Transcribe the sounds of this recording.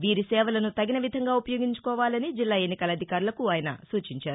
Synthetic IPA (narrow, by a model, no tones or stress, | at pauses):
ʋiːɾisɛːʋɐlɐnut̪ɐɡinɐʋid̪ʱɐŋɡaːupɐjoːɡiɲt͡ʃu̥kɔːʋaːlɐnid͡ʒilːaːe̞nːikɐlɐd̪ʱikaːɾulɐkuaːjɐnɐ̰suːt͡ʃiɲt͡ʃaːɾu